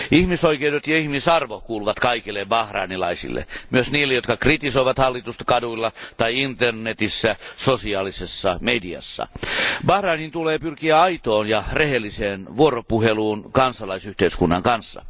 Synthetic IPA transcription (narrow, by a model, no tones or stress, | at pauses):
ihmisoikeudet̪jɑihmisɑrʋokuːluʋɑt̪kɑikilːebɑhrɑ̰ːnilɑ̰isḭlːḛmyøsniːlːejot̪kɑkrit̪isoiʋɑt̪hɑlːit̪ust̪ɑ̥kɑduilːɑt̪ɑiint̪ernet̪isːæsosiɑːlisesːɑmediɑ̰sːɑ̰bɑhrɑːnint̪uleːpyrkiæɑit̪oːnjɑrehelːiseːnʋuoropuheluːnkɑnsɑlɑisyht̪eiskunːɑŋkɑnsːɑ̰